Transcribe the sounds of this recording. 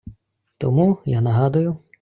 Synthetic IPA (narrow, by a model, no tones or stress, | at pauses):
t̪ɔmujanɐɦɑd̪ʊjʊ